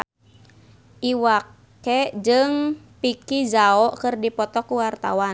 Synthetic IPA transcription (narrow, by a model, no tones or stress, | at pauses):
ʔiwak | ɛd͡ʒɨŋ | pikizaɔʔkɨrdipɔt̪ɔkuwart̪a̰wa